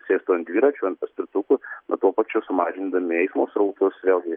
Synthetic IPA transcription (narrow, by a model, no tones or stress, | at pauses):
sʲeːst̪oːɐnd̪ʲʋʲiːɾɑːt͡ʃʲɐnpɐsʲt̪ʲɪɾt̪ʊkʊnɐ̰t̪uɔpɑːt͡ʃʲʊsʊmɑːʒʲɪnd̪ɐmʲɪɛɪsmoːsɾɐʊt̪ʊsʋʲeːlˠɡʲɪ